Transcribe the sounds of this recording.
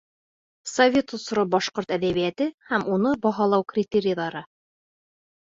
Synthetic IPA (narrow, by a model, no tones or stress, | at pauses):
sɐvʲe̞t̪ŏsɾobɒʃqoɾt̪æðæβijæt̪ɘhæmunɤbɒɦɑlˠɑwkrʲɪt̪ʲeɾʲɪjðˠɑɾɤ